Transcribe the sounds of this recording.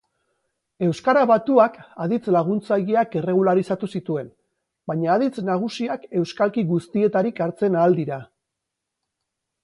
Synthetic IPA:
e̞wskaɾaβat̪uakaðit͡slaɣ̞unt͡sajeake̞re̞ɣ̞ulaɾisat̪usit̪ue̞n | baɲaːðit͡snaɣ̞usiake̞wskalkiɣust̪ie̞t̪aɾikaɾt͡se̞naːld̪iɾa

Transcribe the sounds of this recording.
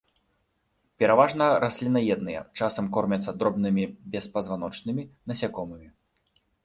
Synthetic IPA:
pʲɛɾavaʐnɐɾasʲlʲinɐjɛd̪nɨjɛ̰t͡ʂasɐmkɔrmʲɐt̪sːɐd̪ɾɔbnɨmʲibʲɛspɐzvanɔt͡ʂnɨmʲinɐsʲakɔmɨmʲi

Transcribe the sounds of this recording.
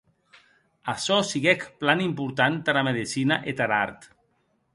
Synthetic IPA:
asɔsiɣɛkplanimpuɾt̪ant̪aɾameðisinaʔet̪aɾaɾt̪

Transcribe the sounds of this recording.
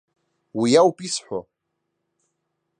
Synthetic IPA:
wijawpʼisħʷa

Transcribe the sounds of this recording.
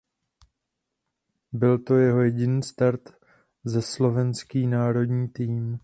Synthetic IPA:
bɪlt̪o̞jɛɦo̞jɛɟɪniːst̪aɾt̪ | zɛslo̞vɛnskiːnaːɾo̞dɲiːt̪iːm

